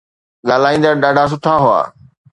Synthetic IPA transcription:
ɠaːl̤aːĩːnd̪aɗaːɖʱas̬ʊt̪ʰaɦʊa̰ː

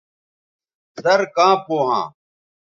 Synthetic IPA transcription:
sɐɾkãːpoːɦã̰ː

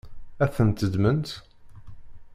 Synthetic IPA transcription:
æθənt̪əd̪mənt̪

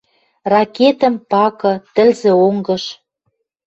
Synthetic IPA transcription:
rɑket̪ə̆mpɑkɤ̆t̪ə̆lzĕoŋɡɤ̆ʃ

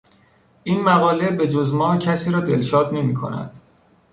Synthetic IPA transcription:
ʔiːnmæɣɒːle̞be̞d͡ʒozmɒːcʰæsiːɾɒːd̪elʃɒːd̪ne̞miːkʰo̰næ̰d̪̥

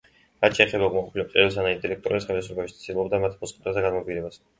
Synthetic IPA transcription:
ɾat̪t͡ʃʰɛːχɛbauɡmaqʼɔpʰilɛp̚qʼɛɾɛs̬anaid̪iɾɛk̚ʰt̪ʼɔɾɛsχɛlɛsɾɔbaʃit̪ilˠɔbd̪amat̪ʰmɔsʼqʼɛ̥t̪ʰʼazd̪aɡanmɔviɾɛbas

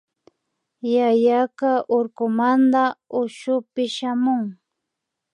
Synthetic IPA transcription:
jajakaʔʊɾkʊmand̪aʊʃʊpɪʃamʊŋ

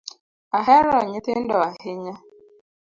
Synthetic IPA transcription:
aɦɛɾɔɲɪt̪ɪndɔahɪɲa

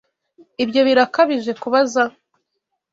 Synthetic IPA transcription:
ibjo̞βiɾakaβiʒe̞kuβaza

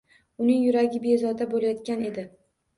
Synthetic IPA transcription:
ʊnɪŋjʊɾaɡʲɪbezɒd̪abolajɒt̪̚kʲane̞d̪ɪ

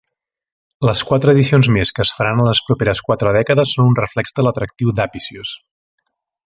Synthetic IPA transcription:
ləskwat̪ɾəːðisionzmeskəːsfəɾanləspɾupeɾəskwat̪ɾəð̞ɛkəðəsːonunrəflɛɡzd̪ələt̪ɾək̚t̪iwd̪apisjus

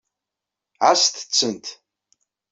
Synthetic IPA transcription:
ʕast̪t͡sʰːənt̪ʰ

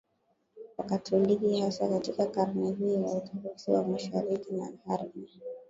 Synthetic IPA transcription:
wakatʰɔlikihasakatikakaɾnɛhiːwautuɾusiwa̰maʃa̰ɾikina̰haɾmi

